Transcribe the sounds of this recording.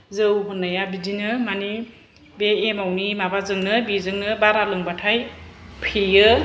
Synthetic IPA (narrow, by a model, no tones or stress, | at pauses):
zɯwɦɯnajabidinɯmani | beːmawnimabazɯŋnɯbizɯŋnɯbaɾalɯŋbatʰajpʰijɯ